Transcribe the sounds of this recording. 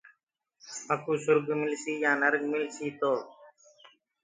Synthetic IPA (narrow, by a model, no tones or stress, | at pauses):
əkuːsʊɾɡmɪlsiːjãːnəɾɡmɪlsiːt̪oː